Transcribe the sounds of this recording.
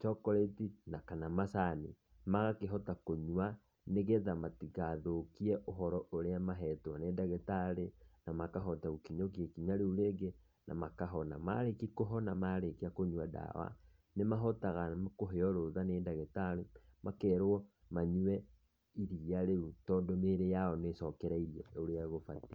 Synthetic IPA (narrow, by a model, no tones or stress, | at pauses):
t͡ʃɔkɔɾetinakanamasanḭ | maɣakeɦɔtakoɲwa | neɣeðamatiɣaðokiɛʔoɦɔɾɔʔoɾeamaɦɛtwaneːdaɣetaɾenamakaɦɔtaukiɲokiekiɲaɾeuɾeɡe | na̰makaɦɔnama̰ɾekikoɦɔnamaɾekiakoɲwada̰wa̰ | nemaɦɔtaɣamkoɦeɔɾoðaneːdaɣetaɾemakɛɾoɔ | maɲuɛ | iɾiaɾeutɔːndɔmeɾejaɔnesɔkɛɾaiɾiɛoɾeaɣofati